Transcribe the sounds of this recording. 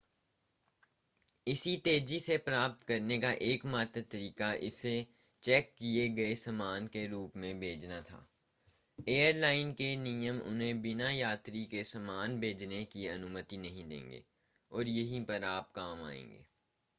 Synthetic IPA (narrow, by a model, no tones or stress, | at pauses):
ɪsit̪eːd͡ʒisepɾaːp̚t̪kɐɾnekaʔeːkmaːt̪ɾt̪ɐɾiːkaʔɪse | t͡ʃɛːkːieɡɐesɐmaːnkeɾuːpmẽbʱeːd͡ʒnat̪ʰa̰ː | eːəɾlaːɪnkenijəmʊ̰nɦẽbɪnajaːt̪ɾikesɐmaːnbʱeːd͡ʒnekiɐnumət̪inɐɦĩd̪ḛ̃ːŋɡḛː | ɔːɾjɐɦipɐɾaːp̚kaːma̰ːḛ̃ːŋɡḛː